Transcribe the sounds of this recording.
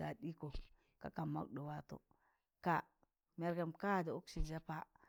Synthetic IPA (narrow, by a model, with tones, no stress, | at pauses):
a˨ɗi˦ko˨ | ka̰˨ka˨ma̰˦k̚do˨wa˦to̰˨ | ka˨ | me˨ɾɡa˨mka˦˨da˨o˦kʃi˨d͡ʒa˦pa˦